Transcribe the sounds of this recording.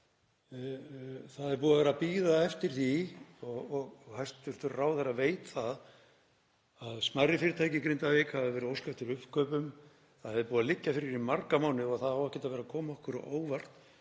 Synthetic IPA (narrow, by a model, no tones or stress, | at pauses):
θaðɛɾpuːðavɛːɾapiːðaɛft̪ɪɾ̥θiɔɣɔɣɣhajst̪ʏɾ̥t̪ʏɾraːwθɛɾaveːjt̪θað | aðsmarːɪfɪɾɪt̪ʰaːjcɪkɾejnt̪aveːkhavɪvɛɾʏowskaɛft̪ɪɾʏ̥kœːpʏm | θaðhɛvðɪpuːðalɪcːafɪɾɪɾimarkamaːwnɪɔɣθaðhawɛhcɛt̪avɛːɾakʰɔːmaɔhkʏɾ̰ʔo̰ːwvar̥t̪